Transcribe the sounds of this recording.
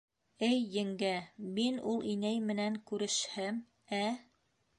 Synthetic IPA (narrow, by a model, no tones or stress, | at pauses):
ɘjːɘ̆ŋɡæminulˠʔinæjmɘ̆næŋkʉɾɘ̆ʃhɘm | æ